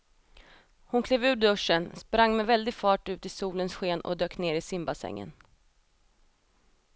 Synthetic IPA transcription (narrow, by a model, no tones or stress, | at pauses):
hʊnkʰleːvʉ̟ːɖɵʂːənspɾaŋːmɛvɛld̪ɪɡfɑːʈʉ̟ːt̪ɪsuːlənsɧeːnɔ̰d̪øːkneːɾɪsɪmbasɛ̰ŋːə̰n